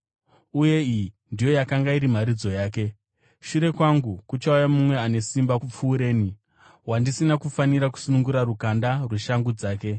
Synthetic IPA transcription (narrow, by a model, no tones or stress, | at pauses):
uje̞i | ndijo̞jakaŋɡaiɾim̤aɾid͡zo̞jaːk̬e̞ | ʃuɾe̞kwaŋɡukut͡ʃaujamumwe̞ane̞simbaup͡fuːɾe̞ːni | wandisinakufaniɾak̬u̥sunuŋɡuɾaɾukandarweʃaŋɡud͡zaːke̞